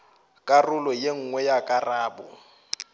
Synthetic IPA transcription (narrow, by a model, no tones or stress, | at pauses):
kʼarʊlɔjeŋ̩ŋwɛjakʼaraːbʊ